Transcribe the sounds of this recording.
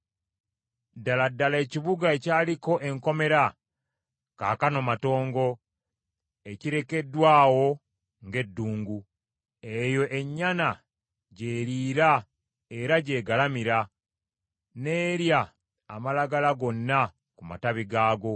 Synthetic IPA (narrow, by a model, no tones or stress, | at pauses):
dːaladːale̞ːciβuɡae̞caːliko̞ʔe̞ŋko̞me̞ɾa | ka̰ːkano̞mato̞ːŋɡo̞ | e̞ciɾe̞ke̞dwaːwo̞ | ŋɡe̞dːuːŋɡu | e̞jo̞ʔe̞ɲːana | ɟe̞ːɾiːɾa | e̞ɾaɟe̞ːɡalamiɾa | ne̞ːɾjaː | malaɡalaɡo̞nːa | kuma̰taβiɡaːɡo̞